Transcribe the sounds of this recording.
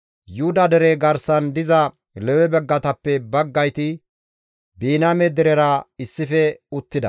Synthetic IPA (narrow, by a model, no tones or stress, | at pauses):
jʊd̪ɐd̪ɛɾeɡɐɾsɐnd̪ɪzɐ | lɛwɛbɛɡːɐt̪ɐpːɛbɐɡːɐjt̪ɪ | biːnɐmɛd̪ɛɾɛɾɐɪsːɪfɛʊt̪ːɪd̪ɐ